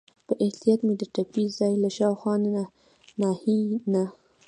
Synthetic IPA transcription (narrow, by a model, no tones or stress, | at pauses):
pəʔɪht̪ijɑt̪med̪əʈapizɑjlaʃɑwxwɑna | nɑhina